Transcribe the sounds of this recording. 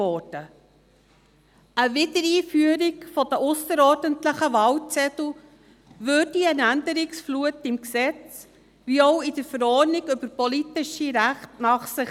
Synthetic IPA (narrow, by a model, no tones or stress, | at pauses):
ɔːɾd̥ə | əvɪdəɾiːfyəɾiɡfɔd̥əʔʊsəɾɔːɾdəntləχəʋɑlt͡sɛtl̩ | ʋøːd̥iənændəɾɪksfluətɪmksɛt͡s | ʋiɔʊɪd̥əɾfəɾɔniɡʏbəɾpɔlitɪʃiɾæχtnɑχsɪ